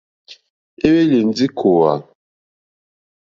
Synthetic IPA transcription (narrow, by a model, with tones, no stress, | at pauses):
e˦we˦le˨n˦d͡zi˦kʰo˨wa̰˨